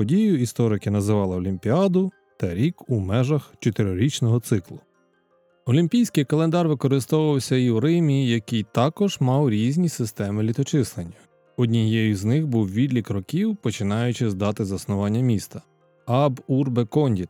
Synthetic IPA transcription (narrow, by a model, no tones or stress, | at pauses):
ɔdʲijʊist̪ɔɾɪkɪnɐzɪʋɑlˠɪɔlʲimʲpʲiɑd̪ʊ | t̪ɐɾʲikumɛʒɐxt͡ʃɔt̪eɾʲɔɾʲit͡ʃnɔɦɔt̪sɪklˠʊ | ɔlʲimʲpʲijsʲkɪjkɐlˠend̪ɑrʋɪkɔɾɪst̪ɔwʊʋɐwsʲɐiuɾɪmʲiijɐkɪjt̪ɑkɔʒmɑwɾʲizʲnʲisɪst̪ɛmɪlʲit̪ɔt͡ʃɪslˠenʲːɐ | ɔdʲnʲijɛjiznɪxbuwʋʲid̪lʲikɾɔkʲiwpɔt͡ʃɪnɑjʊt͡ʃɪzd̪ɑt̪ɪzɐsnʊʋɑnʲːɐmʲist̪ɐ | ɑburbekɔnʲdʲit̪